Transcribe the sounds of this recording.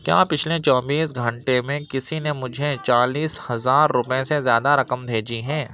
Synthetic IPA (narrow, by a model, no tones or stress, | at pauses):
kja̰ːpɪt͡ʃʰlet͡ʃɔːbiːsɡʱɐ̃ɳʈemẽkɪsinemʊd͡ʒʱet͡ʃaːliːshɐzaːɾːʊpẽsezjaːd̪aɾɐkəmd̪ʱeːd͡ʒiɦɛ̃ː